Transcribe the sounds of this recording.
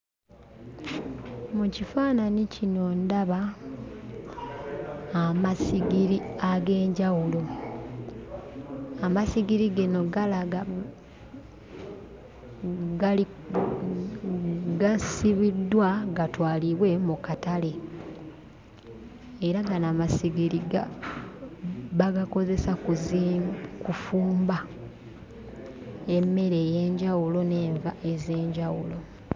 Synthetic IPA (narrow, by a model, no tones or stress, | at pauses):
mucifaːnanicʰino̞ːndaβa | masiɡiɾiaɡe̞ːɲɟawulo | amasiɡiɾiɡino̞ɡala | ɡ | ɡasiβidːwaɡatwaːliβwe̞mukatale̞ | eɾaɡanamasiɡiɾiɡa̰ | βaɡako̞ze̞sakuzikufuːmba | e̞mːe̞ɾe̞ːje̞ːɲɟawulo̞ne̞ːɱvaʔe̞ze̞ːɲɟawulo̞